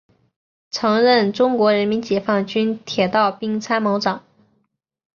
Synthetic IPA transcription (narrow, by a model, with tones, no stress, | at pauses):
t͡sʰɤ˧˥ŋɻə˥˩nʈ͡ʂʊ˥ŋkwɔ˧˥ɻə˧˥nmi˧˥nt͡ɕjɛ˨˩fɑ˥˩ŋt͡ɕy˥nt̪ʰjɛ˨˩t̪ɑ˥˩ʊpi˥ŋt͡sʰa˥ɪmɑ˧˥ʊʈ͡ʂɑ˨˩˦ŋ